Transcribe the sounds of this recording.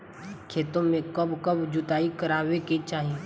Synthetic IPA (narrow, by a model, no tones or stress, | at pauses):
kʰeːt̪õmẽkɐbkɐbd͡ʒʊt̪aːikɐɾaːweket͡ʃaːɦie